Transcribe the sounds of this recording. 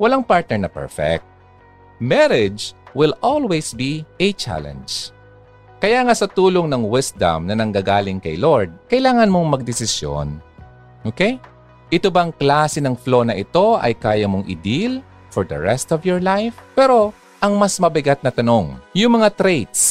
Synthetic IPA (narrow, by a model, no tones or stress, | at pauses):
wɐlaŋpaɹt̪̚nɛɹnɐpɛ̰ɹfɛ̰k̚t̪̚ | mɛɾɪd͡ʒwɪlolwɛjsbiʔɛt͡ʃa̰lɛ̰nd͡ʒ | kɐjaːŋasɐt̪uːloŋnɐŋwɪsd̪ɐ̰mnɐnɐŋɡaːɡaːlɪŋkɐ̰jloɹd̪̚kɐʔɪlaːŋɐnmo̞ŋmɐɡ̚d̪ɪsɪsjo̰n | ʔoːkɛj | ʔɪt̪obɐɐŋklaːsɛnɐŋflo̞ːnɐʔɪt̪o̞ʔɐ̰jkaːjɐmoŋʔɪ̰d̪il | fɔɹd̪ɐ̰ɹɛst̪ɔvjɔɹlajfpɛːɾo̞ | ʔɐŋmɐsmɐbɪɡat̪̚nɐt̪ɐno̞ŋjʊŋmɐŋat̪ɾejt̪s